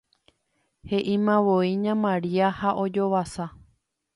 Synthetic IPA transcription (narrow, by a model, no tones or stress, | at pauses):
he̞ʔĩmãʋoiɲãmãɾiahaʔod͡ʒo̞ʋasa